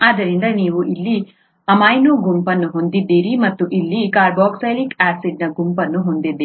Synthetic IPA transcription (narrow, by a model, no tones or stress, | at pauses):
aːd̪ɐɾind̪ɐniːʋuʔilːi | ɐmaːjnuɡumpɐnːuɦo̞nd̪id̪ːiːɾimɐt̪ːuʔilːikaːɾbɔːksɐjlikaːsiɖnɐɡumpɐnːuɦond̪id̪ːeiː